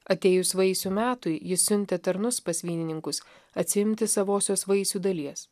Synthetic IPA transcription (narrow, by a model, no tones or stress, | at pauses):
ɐt̪ʲeːjʊsʋɐɪsʲuːmʲæːt̪ʊɪjɪsːʲʊnʲt̪ʲɛt̪ɐɾnʊspɐsʲʋʲiːnʲɪnʲɪŋkʊs | ɐt̪ʲsʲɪɪmʲt̪ʲɪsɐʋoːsʲoːsʋɐɪsʲuːd̪ɐlʲiɛs